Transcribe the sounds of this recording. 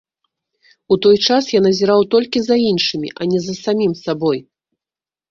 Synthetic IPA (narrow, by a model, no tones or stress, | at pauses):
ut̪ɔjt͡ʂasjanɐzʲɛɾawt̪ɔlʲkʲizainʂɨmʲḭʔɐnʲɛzɐsamʲimsabɔj